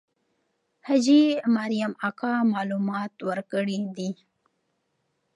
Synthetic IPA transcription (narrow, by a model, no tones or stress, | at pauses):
had͡ʒimaɾijamakɑmɑlumɑt̪wəɾkəɽid̪i